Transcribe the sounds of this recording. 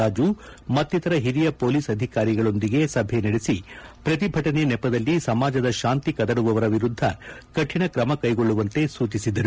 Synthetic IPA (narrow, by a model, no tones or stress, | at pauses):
aːd͡ʒu | mɐt̪ːit̪ɐɾɐɦiɾijɐpo̞ːliːsɐd̪ʱikaːɾiɡɐɭo̞nd̪iɡe̞sɐbʱenɐɽesipɾɐt̪̬ibʱɐʈɐne̞nɛpːɐd̪ɐlːisɐmaːd͡ʒɐd̪ɐʃaːnt̪ikɐd̪ɐɽuʋɐʋɐɾɐʋiɾud̪ʱːɐkɐʈʰiɳɐkɾɐmɐkɐjɡo̞ɭːuʋɐnt̪e̞suːt͡ʃisid̪ɐɾu